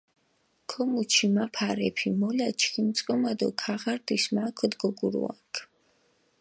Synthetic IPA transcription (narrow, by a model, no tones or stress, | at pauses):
kʰɔmut͡ʃʰimapʰaɾɛpʰimɔlat͡ʃʰkʰimt̪sʼkʼɔmad̪ɔkʰaʁaɾd̪ismakʰɔd̪ɡɔɡuɾṵa̰kʰ